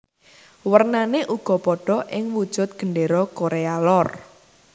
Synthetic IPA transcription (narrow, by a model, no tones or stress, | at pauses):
wərnaneʔuɡ̥ɔ̤pɔɖ̥ɔ̤ʔɪŋwud̥ʒ̥ʊ̤t̪̚ɡ̥əɳɖeɾɔkoɾealɔr